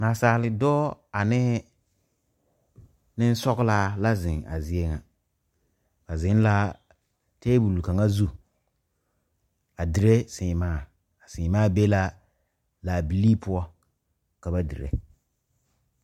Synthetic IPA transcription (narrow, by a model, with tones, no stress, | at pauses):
naː˨saː˨lɪ˨dɔː˦a˨nɪ˦ | nɪ˦n̩˦sɔ˦ɣlaː˦la˦zɪ˨ŋa̰˨zɪ˨˦e˦ŋa˨ | ba˨zɪ˦n˦la˦ | teː˦bu˨lka˨ŋa˦zu˦ | a˨dɪ˨ɾe˦sɪ˨maː˦˨ | a˨sɪ̃˨maː˦be˦la˦ | la˨bi˨li˦pʊ˦ɔ˦ | ka˨ba˦dɪ̰˨ɾḛ˦